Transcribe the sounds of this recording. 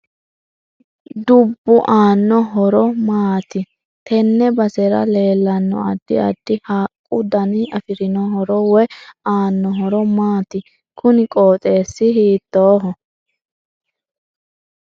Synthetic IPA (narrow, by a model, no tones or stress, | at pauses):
d̪ʊbːʊʔaːnːɔɦɔɾɔmaːt̪ɪ | t̪ɛnːɛbɐsɛɾɐ̰le̞ːlːɐnːɔ̰ɐ̰d̪ːɪ̰ɐ̰d̪ːɪhaːkʼʊd̪ɐnɪɐfɪɾɪnɔɦɔɾɔwɛaːnːɔɦɔɾɔmaːt̪ɪ | kʊnɪkʼoːt̪ʼe̞ːsːɪɦiːt̪ːoːɦɔ